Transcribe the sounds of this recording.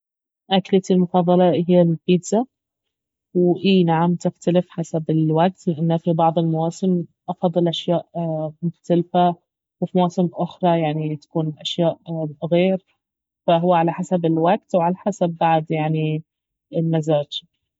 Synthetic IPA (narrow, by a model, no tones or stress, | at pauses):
ʔaklat̪ilmʊfɑðˤɑlɑɦɪjːalfiːd̪za | wʔiːnaʕamt̪ɪxt̪alɪfħasabɪlwaɡ̚t̪lɪʔanːhafibɑʕd̪ˤɪlmʊwaːsɪmʔɑfɑd̪ˤːɨlʔaʃjaːʔmʊxt̪alfa | wɪfimawaːsɪmʔʊxɾˤɑjaʕnit̪ḁkuːnʔaʃjaːʔɣeːɾ | faɦʊwːaʕalaħasabɪlwaɡ̚t̪wʕalaħasabːaʕd̪jaʕni | ɪlmazaːd͡ʒ